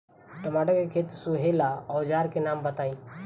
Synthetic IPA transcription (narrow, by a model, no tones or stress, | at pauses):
ʈɐmaːɖəkekʰeːt̪suɦelaɔːd͡ʒaːɾkenaːmbət̪aːĩː